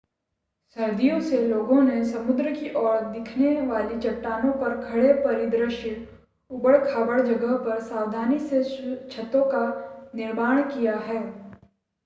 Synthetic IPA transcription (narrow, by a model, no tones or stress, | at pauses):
sɐɾd̪ʱijõseloːɡõnesɐmʊd̪ɾəkiʔɔːɽd̪ɪkʰneʋaːlit͡ʃɐʈːaːnõpɐɾkʰɐɽepɐɾɪd̪ɾəʃɪɽ | ʊbəɽkʰaːbəɽd͡ʒɐɡəɦpɐɾsaːʋd̪ʱaːniset͡ʃʰɐt̪õkanɪɾmaːɽ̃kijaɦɛː